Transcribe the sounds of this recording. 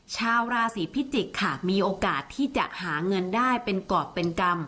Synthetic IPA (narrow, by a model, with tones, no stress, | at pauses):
t͡ɕʰaː˧wɾaː˧siː˩˦pʰi˦˥t͡ɕi˨˩kʰːa˧˥˩miː˧ʔoː˧kaː˨˩t̪ʰːiː˥˩t͡ɕa̰˨˩ʔhaː˩˦ŋɤ˧ndaː˥˩jpe˧nkɔː˨˩t̪̚pe˧nka˧m